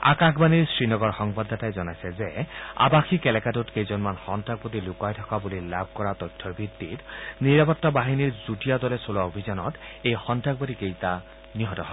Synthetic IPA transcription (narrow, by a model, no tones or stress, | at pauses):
a̰kakbaniɹsɹinɔɡɔɹxɔŋbad̪ʱːatajzɔnajsɛzea̰baxʰikɛlɛkatutkejzɔnmanxɔntak̚bɔtilukajtʰɔkabulilab̚ʱkɔɹat̪ɔjtʰːɔɹbʱidːitniɹapɔtːabaɦiniɹzutijadɔlɛsolaobʱizɔnɔtejxɔntak̚bɔtikejta | niɦɔtɔɦɔ